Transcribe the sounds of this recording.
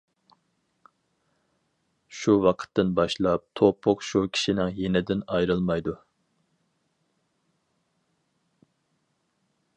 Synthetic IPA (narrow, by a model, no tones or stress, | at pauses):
ʃuwɑqʰə̥t̪ːɨnbɑʃlˠɑp̚t̪ʰopʰːʊqʃukʲʰi̥ʃinɪŋjenɪd̪ɪnɑjɾɨlˠmɑjd̪u